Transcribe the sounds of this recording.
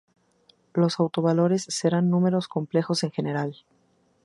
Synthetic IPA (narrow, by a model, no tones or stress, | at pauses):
lo̞sawt̪o̞βalo̞ɾe̞sːe̞ɾanːũme̞ɾo̞sko̞mple̞xo̞se̞ŋxe̞ne̞ɾal